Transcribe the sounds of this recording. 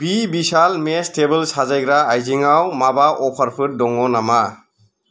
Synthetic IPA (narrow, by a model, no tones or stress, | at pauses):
b̥ibisalmestebɯlsazajɡɾaːjziŋawmabaʔɔpʰaɾpʰɯɾ̚dɔŋɔnama